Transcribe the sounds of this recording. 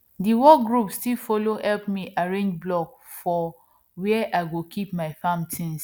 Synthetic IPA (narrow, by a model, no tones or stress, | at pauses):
diwɔɡɹupstilfolohɛlpmiʔaɹẽnd͡ʒblɔkfɔ | wiɛʔaɪɡokʰipmaɪfãmtʰĩns